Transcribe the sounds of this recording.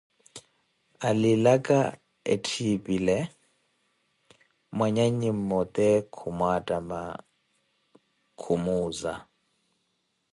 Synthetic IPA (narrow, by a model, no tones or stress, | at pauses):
alilakʼa | ḛtʰipʼilɛ | mwaɲaɲim̩mɔt̪ʼɛkʰumwatʼama̰ | kʰumuːza̰